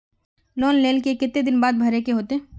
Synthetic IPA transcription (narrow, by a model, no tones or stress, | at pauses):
lɔːnleːlkekɪt̪ːed̪ɪnbaːd̪̚bʱɐɾekeɦoːt̪e